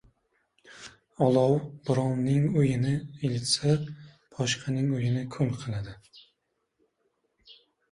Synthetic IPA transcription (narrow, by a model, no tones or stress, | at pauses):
ɒlˠɒwb̥ʊɾɒnnɪŋʊjɪnɪelɪt̪sa | pʰɒʃqʰɑnɪŋojɪnɪkʰʊlˠqʰɨlˠad̪ɪ